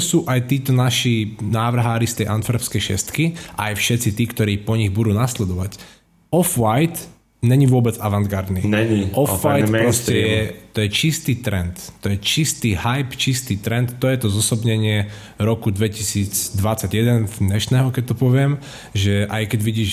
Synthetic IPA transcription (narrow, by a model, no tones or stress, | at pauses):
suːʔajt̪iːt̪ɔnaʃinaːʋr̩ɦaːɾist̪ɛjʔanfɾɛfskɛjʃɛ̰st̪kiʔa̰jfʃɛt̪t͡sit̪iːkt̪ɔɾiːpɔɲiɣbud̪uːnaslɛd̪ɔʋac | ɔfʋajt̪ | ɲɛɲiʋʊɔbɛd͡zaʋaŋɡaɾd̪niɲɛɲiʔɔfʋajt̪pɾɔscɛjɛt̪ɔjɛt͡ʃist̪iːt̪ɾɛnt̪ːɔjɛt͡ʃist̪iːhajpt͡ʃist̪iːt̪ɾɛnt̪ːɔjɛt̪ɔzɔsɔbɲɛɲɪɛ | ɾɔkud̪ʋɛcisiːd͡zd̪ʋat͡saɟjɛd̪ɛnzd̪ɲɛʃnɛːɦɔkɛc̚t̪ɔpɔʋɪɛm | ʒɛʔajkɛɟʋiɟiːʃ